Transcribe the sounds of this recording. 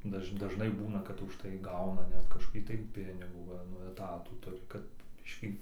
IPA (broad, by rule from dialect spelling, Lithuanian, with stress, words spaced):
ˈdɐʃ dɐˈʒnɐɪ ˈbuːnɐ kɐt ʊʃˈtɐɪ ˈɡɐʊnɐ ˈnʲɛt kɐʃkoːˈkʲiː tɐɪ ˈpʲɪnʲɪɡuː ˈʋɐ nʊ ɛˈtɑːtuː ˈtʊrʲɪ kɐt ˈbʲɪʃʲkʲiː